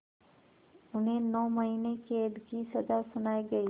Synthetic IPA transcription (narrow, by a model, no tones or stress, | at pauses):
ʊnɦẽnɔːmɐɦiːneked̪ɡisɐd̪asʊnaːiɡɐi